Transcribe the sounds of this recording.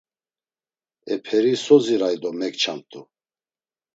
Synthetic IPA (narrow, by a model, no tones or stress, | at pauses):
ɛpʰɛɾisɔziɾajd̪ɔmɛkt͡ʃʰamt̪ʰʼu